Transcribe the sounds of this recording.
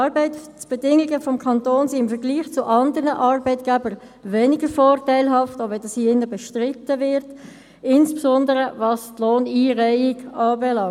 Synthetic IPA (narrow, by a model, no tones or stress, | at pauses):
ɑɾbɛɪtt͡sb̥ɛdɪŋiɡəfɔmkʰɑntoːnsiɪmfəɾɡliːχt͡sʊʔɑndəɾnəʔɑːɾbɛɪtɡ̥ɛbəɾ | vɛːnɪɡəfɔːrtæɪlɦɑftoʋɛldɑshiɪnːəbɛʃtʁɪtːəvɪɾt | ɪnspsɔndəɾəvɑstloːniːʁæɪɪɡ̥ɑːbɛlɑŋ